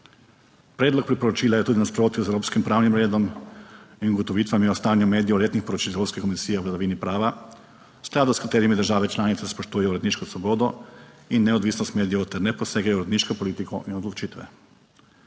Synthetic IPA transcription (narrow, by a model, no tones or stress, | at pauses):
pɾeːd̪lɔk̚pɾipɔɾɔt͡ʃiːlajɛt̪uːd̪inaspɾoːt̪juzewɾoːpskimpɾaːwnimɾeːd̪ɔm | inuɡɔt̪ɔʋiːt̪ʋamjɛɔst̪aːnjumeːd̪ijɔleːt̪nixpɔɾɔt͡ʃiːlewɾopskekɔmisiːjɛɔɡlad̪aʋiːnipɾaːʋa | sklaːd̪uskat̪eːɾimid̪əɾʒaːʋɛt͡ʃlaːnit̪sɛspoʃt̪uːjɛjɔɾɛd̪niːʃkɔsʋɔboːd̪ɔinːɛɔd̪ʋiːsnɔst̪meːd̪ijɛt̪ɛɾnɛpɔseːɡajɔɾɛd̪niʃkɔpɔliːt̪ikʰɔʔinɔd̪lɔt͡ʃiːt̪ʋɛ̰